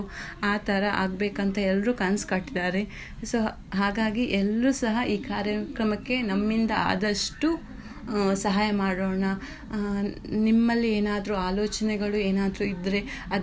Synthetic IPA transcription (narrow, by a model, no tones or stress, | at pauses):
aːt̪ʰɐɾɐʔa̰ːɡbeːkɐnt̪ʰɐɛlːɾukɐnskɐʈːid̪aːɾe̞ | soː | ɦaːɡaːɡiʔɛlɾusɐɦɐʔiːkaːɾjɐkɾɐmɐkːe̞nɐmːind̪ɐa̰ːd̪ɐʂʈu | sɐɦaːjɐmaːɽoːɳɐ | nimːɐlːieːnaːd̪ɾuaːloːt͡ʃɐnɛɡɐɭueːnaːd̪ɾuid̪ɾe̞ | ɐd̪